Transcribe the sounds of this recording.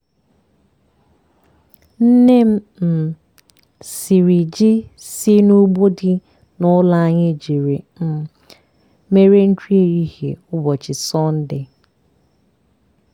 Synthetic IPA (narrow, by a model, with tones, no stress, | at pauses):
n̩˦ne˦m̩˦ | m̩˨ | si˨ɾi˨d͡ʒɪ˦sɪ˦nu˦ɡ͡bo˦dɪ˦ | nʊ˦la˦a˦ɲɪ˦d͡ʒi˨ɾe˨m̩˦ | me˦ɾe˦n̩˦t͡ʃi˦e˦˨i˦hḛ˨ʊ˦bɔ˨t͡ʃɪ˨sɔ˦n̩˦dɪ˦